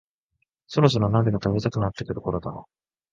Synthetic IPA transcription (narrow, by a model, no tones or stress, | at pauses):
so̞ɾo̞s̬oɾonãd̪eɡat̪abet̪akɯnat̪ːekɯ̥t̪o̞̥ko̞ɾod̪a̰ɾo